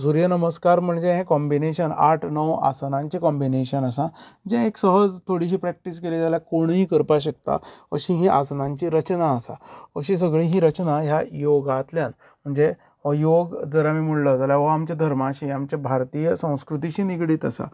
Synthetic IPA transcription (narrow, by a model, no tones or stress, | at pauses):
suɾjənəməskaɾm̤əɳd͡zeɦẽkɔmbineɕəna̰ʈʰnəwa̰snãɲt͡ɕikɔmbineɕənasãd͡ʑẽeksəɦəd͡zt̪ʰoɽiɕ̬iːpɾæk̚ʈis̬keled͡zaljakoɳ̃ɦiːkəɾpaɕ̬ək̚t̪a̰əɕĩɦeʔa̰snãɲt͡ɕiɾət͡ɕnaːsa̰əɕĩs̬əɡɭiɦiɾət͡ɕnaɦjajoɡat̪ljan | m̤əɳd͡ze | əjoɡd͡zəɾamiːm̤uɽləd͡zaljaʋəamt͡ɕad̪ʱəɾmaɕiamt͡ɕabʱaɾt̪ijəsə̃w̃skɾut̪̬iɕiːnikɽiːt̪əsa̰